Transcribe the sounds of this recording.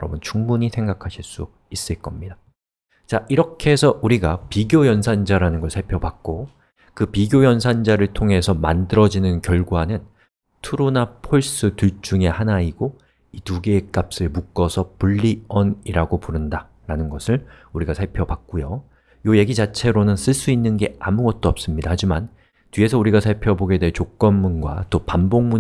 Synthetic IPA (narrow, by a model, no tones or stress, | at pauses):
ɾʌbʌnt͡ɕuŋmuɲisʰe̞ŋɡakʰaɕʰiɭs͈u | is͈ɯɭk͈ʌmɲida | t͡ɕaʔiɾʌkʰe̞sʰʌʔuɾiɡapiɡjojʌnsʰand͡ʑaɾanɯnɡʌɭsʰaɭpʰjʌbak̚k͈o | kɯpiɡjojʌnsʰand͡ʑaɾɯɭtʰoŋɦe̞sʰʌmandɯɾʌd͡ʑinɯnkjʌɭɡwanɯn | tʰuɾonapʰoɭs͈ɯtut͡ɕ͈uŋe̞hanaiɡo | ituɡeːk͈ap̚s͈ɯɭmuk͈ʌsʰʌpuɭːiʌniɾaɡopuɾɯnda | ɾanɯnɡʌsʰɯɭuɾiɡasʰaɭpʰjʌbak̚k͈ujo | joje̞ɡid͡ʑat͡ɕʰe̞ɾonɯns͈ɯɭs͈uinːɯnɡe̞amuɡʌt̚t͈oʌp̚s͈ɯmɲidahad͡ʑiman | tɥie̞sʰʌuɾiɡasʰaɭpʰjʌboɡe̞deɦet͡ɕok͈̚ʌnmunɡwa̰t͈opamboŋmu